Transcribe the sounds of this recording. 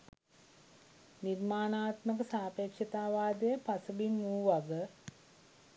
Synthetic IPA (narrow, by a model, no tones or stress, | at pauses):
nirmaːnaːt̪mək̬əsaːpekʂət̪aːʋaːd̪əjəpasəbinmuːʋaɡə